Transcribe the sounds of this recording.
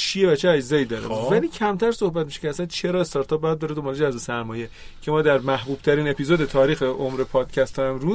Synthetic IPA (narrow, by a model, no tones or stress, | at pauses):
t͡ʃʰieβæt͡ʃʰeæd͡ʒzɒːjiːd̪ɒːɾḛvæliːcʰæmt̪ʰæɾso̞hbæt̪miʃe̥cʰeæsænt͡ʃʰe̞ɾɒːest̪ɒɾt̪ʰɒp̚bjæd̪d̪ɒːɾed̪o̞mbɒːled͡ʒæzbesæɾmɒːje̞ | cʰe̞mɒːd̪æɾmæhbuːb̥̚t̪ʰæɾiːne̞pʰizod̪e̞t̪ʰɒːɾiːxeʔomɾe̞pʰɒːd̪̥cʰæst̪ʰɒæmɾuːz